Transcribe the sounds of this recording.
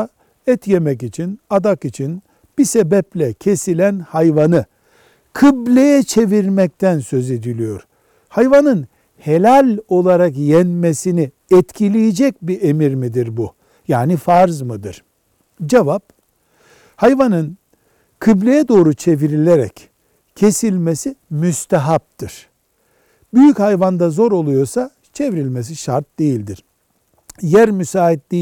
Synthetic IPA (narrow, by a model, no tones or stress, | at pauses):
ɛt̪jemɛc̬it͡ʃʰinad̪akit͡ʃʰin | b̥isebɛplʲɛcʰe̞silʲænhajvanɯ | kʰɯblʲejɛt͡ʃʰe̞viɾmɛc̚t̪ʰænsø̞ze̞d̪ilʲijo̞̰ɾ̥ | hajvanɯn | helʲalʲo̞lˠaɾakjɛnmesini | ɛt̪cʰilʲijid͡ʒɛc̚biʔe̞miɾmid̪iɾbu | jaːnifaɾzmɯd̪ɯɾ̥ | d͡ʒevap̚ | hajvanɯn | kʰɯblʲejɛd̪o̞ːɾut͡ʃʰe̞viɾilʲe̞ɾɛ̰c | cʰːe̞silʲmesimyst̪ʰaɦap̚t̪ʰɯɾ̥ | byjychajvand̪azo̞ɾo̞lˠujo̞sa | t͡ʃʰe̞vɾilʲmes̬iʃaɾt̪̚d̪e̞jilʲd̪iɾ̥ | jæɾmysaːɦit̪lʲi